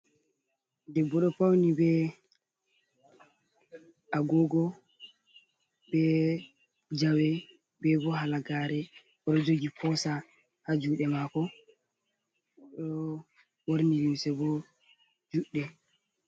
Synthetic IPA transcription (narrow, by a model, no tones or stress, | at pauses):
dɛbːɔɗɔpawnibɛ | ʔaɡɔɡɔ | bɛ | d͡ʒawɛ | bɛbɔɦalaɡaɾɛ | ɔɗɔd͡ʒoɡipɔsa | had͡ʒuɗɛmakɔ | ɗɔ | woɾnijimsɛbɔ | d͡ʒuɗːɛ